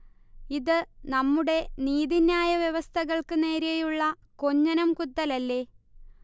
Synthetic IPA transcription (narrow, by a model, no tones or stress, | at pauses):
iðɨnɐmːuɽe̞niːðinjaːjɐʋjeʋɐst̪ʰɐɣɐɭkɨne̞ːɾejuɭːɐ | ko̞ɲːɐnɐmkut̪ːɐlɐlːe̞ː